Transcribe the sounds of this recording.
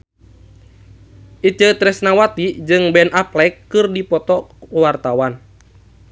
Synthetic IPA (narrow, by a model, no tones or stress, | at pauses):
ʔit͡ʃət̪ɾɛsnawat̪id͡ʒɨŋbɛnʔaplɛkːɨrdipɔt̪ɔwart̪awan